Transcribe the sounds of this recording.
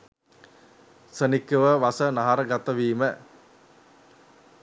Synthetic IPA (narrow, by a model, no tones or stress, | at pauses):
sənikːəʋəʋasənaɦaɾəɡat̪əʋiːmə